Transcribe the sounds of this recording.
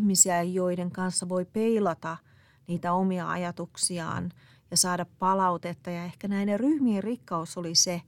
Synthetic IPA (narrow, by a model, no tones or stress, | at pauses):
misiæjoideŋkɑnsːɑʋoipeilɑt̪ɑ | niːt̪æomiɑɑ̰jɑt̪uksiɑ̰ːn | jɑsɑːdɑppɑlɑut̪et̪ːɑjɑehkænæineryhmierrikːɑusolise